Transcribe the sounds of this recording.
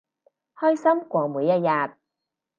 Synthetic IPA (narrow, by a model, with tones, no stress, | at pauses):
hɔː˥jsɐ˥mkʷɔː˧ŋ̚muː˨˧jːɐ˥t̚jaː˨t̚